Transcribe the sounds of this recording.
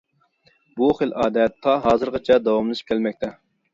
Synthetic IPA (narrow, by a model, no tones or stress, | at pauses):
buχəlʔɑːd̪ɛt̪ʰːɑɦɑːzɨɾʁɑt͡ʃʰɛd̪ɑwɑmlˠɨʃi̥pkʲʰɛlmɛk̚ʲt̪ʰɛ